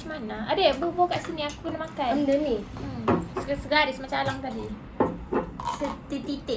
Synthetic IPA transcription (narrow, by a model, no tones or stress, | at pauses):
smanaadebobokaʔsiniakuənamakajndənim̩ssəɡaɾɪsmat͡ʃaalaŋt̪adi | sət̪it̪it̪ɪ